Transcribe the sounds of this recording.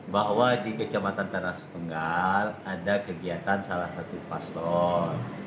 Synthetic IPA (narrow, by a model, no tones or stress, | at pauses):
baɦwadikət͡ʃamat̪ant̪anaspəŋɡaladakəɡiat̪ansalahsat̪upasɔɔr